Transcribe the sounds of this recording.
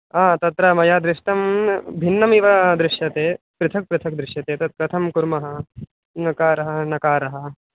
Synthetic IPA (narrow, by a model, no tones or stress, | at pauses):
aːt̪ɐt̪ɾɐmɐjaːd̪ɾɪʂʈɐmbʱinːɐmiʋɐd̪ɾɪʂjɐt̪eː | pɾɪt̪ʰɐk̚pɾɪt̪ʰɐk̚d̪ɾɪʂjɐt̪eːt̪ɐt̪̚kɾɐt̪ʰɐmkuɾmɐɦɐ | nɐkaːɾɐɦɐnɐkaːɾɐɦɐ̆